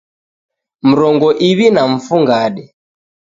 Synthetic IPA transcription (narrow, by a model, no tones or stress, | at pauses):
m̩ɾɔŋɡɔʔiβinam̩fuŋɡaɗɛ